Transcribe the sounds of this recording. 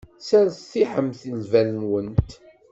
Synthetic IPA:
sænθθiħəmθəlvænnwənt̪

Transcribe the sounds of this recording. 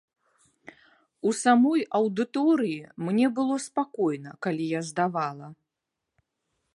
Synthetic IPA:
usamɔjɐwd̪ɨt̪ɔɾɨjimnʲɛbɨlˠɔspakɔjnɐkalʲijazd̪avalˠɐ

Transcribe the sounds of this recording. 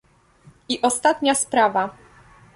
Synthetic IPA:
iʔɔst̪at̪ɲaspɾava

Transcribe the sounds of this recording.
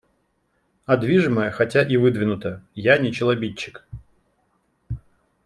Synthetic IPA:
ɐd̪vʲiʐɨməjəxɐtʲaʔivɨd̪vʲɪnʊt̪əjanʲɪt͡ɕɪlˠɐbʲit͡ɕːɪk

